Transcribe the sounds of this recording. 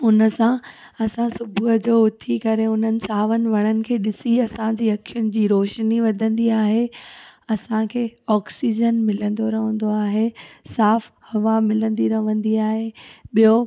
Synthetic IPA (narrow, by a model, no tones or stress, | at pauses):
ʊnəsã | ɐsãsʊbʱuəd͡ʑoːʊt̪ʰikɐɾeʊn̤ənɪ̆saːʋənɪ̆ʋɐɽ̃ənɪ̆kʰeːɗɪsiɐsãd͡ʑiːɐkʰijʊnɪ̆d͡ʑiːɾoːʃniʋɐd̪ʱə̃nd̪iaːɦeɐsãkʰeːɔːksid͡ʑənmɪlə̃nd̪oɾɐɦə̃nd̪oaːɦesaːfhɐʋamɪlə̃nd̪iɾɐʋə̃nd̪iaːɦeɓijo